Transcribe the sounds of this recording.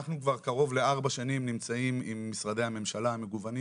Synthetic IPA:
aχnukvaʁkaʁo̞vle̞aʁbaʃanimnimt͡saimimːisʁad̪e̞hame̞mʃalahame̞ɡuvani

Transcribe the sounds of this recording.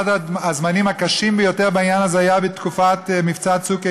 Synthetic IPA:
adaazmanimhakaʃimbejo̞te̞ʁbainjanazeajabet̪kufat̪mift͡satsuke

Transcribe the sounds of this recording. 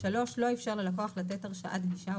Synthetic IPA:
ʃalo̞ʃlo̞efʃaʁlelakoaχlat̪eteʁʃaʔa̰d̪ɡiʃa

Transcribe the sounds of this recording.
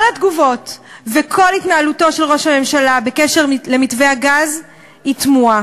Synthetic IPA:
kolatɡuvo̞tvekʰo̞litnaaluto̞ʃelʁo̞ʃhame̞mʃalabekeʃeʁle̞mitveaɡaz | itmua

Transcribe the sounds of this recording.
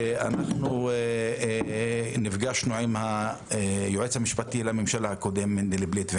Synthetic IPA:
a̰naχnu | nifɡaʃnuʕimha | ejoʕet͡shamiʃpat̪ilamemʃalhakod̪emːend̪eleblit̪ve

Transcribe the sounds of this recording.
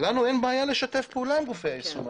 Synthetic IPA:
lanuenbaːjale̞ʃat̪e̞fpeuːlaimʁofeaisu

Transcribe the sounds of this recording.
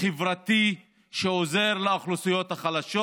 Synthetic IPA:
evʁat̪i | ʃeoze̞ʁlaːχlusujot̪haχalaʃo

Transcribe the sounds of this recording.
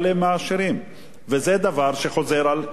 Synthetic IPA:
lemaaʃeʁim | vezed̪avaʁʃeχo̞zeʁal

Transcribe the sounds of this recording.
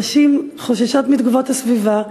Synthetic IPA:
ʃim | χoʃaʃot̪mid̪ɡuvot̪hasviva

